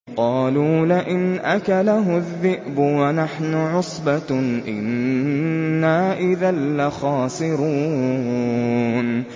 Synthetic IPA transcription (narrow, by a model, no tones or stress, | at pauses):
qɑːluːlɪʔɪnʔakalaɦʊðːɪʔbʊwanaħnʊʕʊsˤbaʔɪ̰nː | aːʔɪðalːaxaːsˤɨɾuː | n